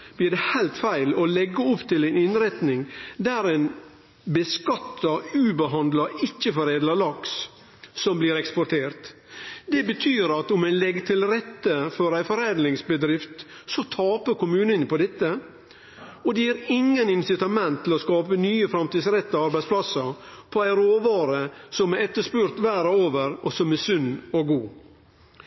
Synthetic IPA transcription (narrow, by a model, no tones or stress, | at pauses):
b̥lɪɖɛhæɪlt̪fæɪlɔlɛɡːəʊpt̪ʰɪlæɪnɪnɾɛt̪nɪŋd̪æɾɛɪn | bəskɑt̪ʰːɑʉːbəɦɑnd̪lɑʔɪt͡ʃːəfɔɾeːd̪lɑlɑks | sɔmbliːɾɛkspɔʈʰeːɾt̪ | d̪ɛbət̪ʰyːɾɑt̪ʊmæɪnlɛɡt̪ʰɪlɾɛt̪ːəfɔɾæɪfɔɾæd̪lɪŋsbəd̪ɾɪft̪sɔt̪ʰɑːpəkʊmʉːnənpʰɔd̪ɛt̪ːə | ɔd̪ɛjiæːɾɪŋːənɪnsɪt̪ɑmɛnt̪ʰːɪlɔskɑːpənyːəfɾɑmt̪iːd̪sɾɛt̪ːɑɑɾbæɪspʰlɑsəpʰɔæɪɾoːʋɑːɾəsɔmæɛt̪ːəʂpʉɾt̪ʋæːɾɔoːʋəɾɔsɔmæsʉnːɔɡuː